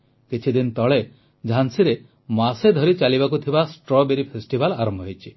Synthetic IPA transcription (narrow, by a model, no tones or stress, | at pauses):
kit͡ʃʰid̪int̪ɔɭe | d͡ʒʱansiɾe | mased̪ʱɔɾit͡ʃalibakut̪ʰibasʈɾɔbeɾipʰesʈibalaɾɔmbʱɔɦojt͡ʃʰi̥